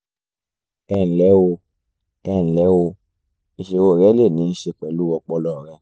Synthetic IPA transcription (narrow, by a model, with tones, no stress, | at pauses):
ɛ˧˨n̩˨lɛ˨˦wo˧ | ɛ˧˨n̩˨lɛ˨˦wo˧ | i˨ʃe˧wo˧˨ɾɛ˨˦le˦˨ni˨˦n̩˦ʃe˧kɛ˨lu˦wɔ˧˨k͡pɔ˧lɔ˨ɾɛ˦